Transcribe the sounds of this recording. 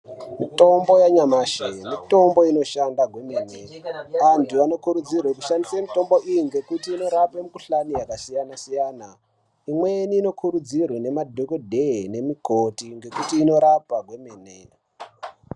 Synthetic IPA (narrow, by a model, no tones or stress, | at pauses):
mito̞mbo̞jaɲamaːʃemito̞mbo̞ino̞ʃandaɡʱwemeːne̞antuano̞kuɾud͡zirwekuʃandisemito̞mbo̞ʔijiŋɡe̞kutiːno̞ɾapemukuɬanijakasijanasijaːna | imweniːno̞kʰuɾud͡zirwene̞madʱokodʱeine̞mikotiŋɡe̞kutiːno̞ɾapaɡʱwemeːnḛ